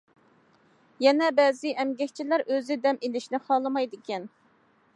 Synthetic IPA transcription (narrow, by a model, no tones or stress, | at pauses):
jɛnɛbɛzɪʔɛmɡʲɛkʲt͡ʃʰilæɾøzɪd̪ɛmelɪʃnɪχɑːlˠɨmɑjd̪ɪkʲɛn